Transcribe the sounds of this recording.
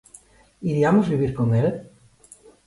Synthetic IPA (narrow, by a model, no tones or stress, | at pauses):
iɾiamozβiβiɾkoŋel